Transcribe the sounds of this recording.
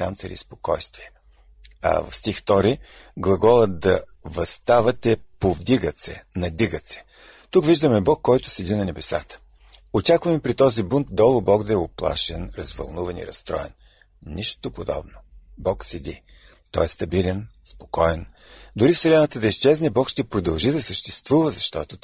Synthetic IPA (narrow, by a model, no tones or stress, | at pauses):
a̰mt̪sɛɾḭspo̥kɔjst̪viɛ | ɐ̰vɐ̰fst̪ixft̪ɔɾiɡlˠɐɡɔlˠəd̪ɐvɐst̪avɐt̪ɛpovd̪iɡət̪sɛ̰nɐd̪iɡət̪sɛ̥ | t̪ukviʒd̪əmɛbɔkːɔjt̪ʊ̥sɛd̪inɐnɛbɛsa̰t̪ə̥ | ot͡ʃakvəmpɾit̪ɔzibunt̪̚d̪ɔlˠʊbɔkd̪ɐɛoplˠa̰ʃɛnɾɐzvɐ̰lˠnuvɐnḭɾɐst̪ɾɔ̰ɛ̰n | niʃt̪opod̪ɔ̰bnobɔksɛd̪i | t̪ɔ̰ɛst̪ɐbilɛnspo̥kɔjɛn | d̪ʊɾifsɛlɛnət̪əd̪ɐiʃt͡ʃɛznɛbɔkʃt̪ɛpɾod̪ɐlˠʒid̪ɐsəʃt̪ɛst̪vuvəzɐʃt̪ɔt̪ʊ